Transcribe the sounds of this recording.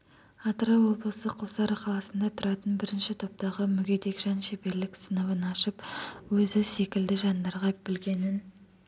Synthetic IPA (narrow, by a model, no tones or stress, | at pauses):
ɑt̪ɾɑwo̞blˠəsəqʰəlˠsɑɾqʰɑlˠɑsənd̪ɑt̪ʰʊɾɑt̪ənbɪɾɪnʃɪt̪ʰo̞p̚t̪ɑʁəmʏɡʲe̞d̪e̞kʒɑnʃe̞pe̞ɾlɪksənəβənɑʃəpwɵzɪse̞kʲɪld̪ɪʒɑnd̪ɑɾʁɑbɪlɡʲe̞nɪn